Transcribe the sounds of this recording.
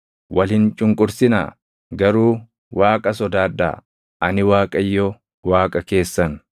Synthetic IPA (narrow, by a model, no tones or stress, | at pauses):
wʔɐlhɪnt͡ʃʼʊŋkʼʊɾsɪna̰ː | ɡɐɾuː | waːkʼɐsɔd̪aːd̪ːa̰ | ʔɐnɪwaːkʼɐjːɔ | waːkʼɐke̞ːsːɐn